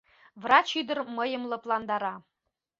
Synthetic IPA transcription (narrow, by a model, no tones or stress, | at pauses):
vrɑt͡ɕyd̪ə̆rmɤjə̆mlˠɤ̆plˠɑnd̪ɑɾɑ